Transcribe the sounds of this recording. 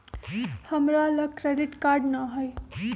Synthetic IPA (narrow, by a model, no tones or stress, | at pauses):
həmɾaləkɾeɖiʈkaɾɖnaɦoj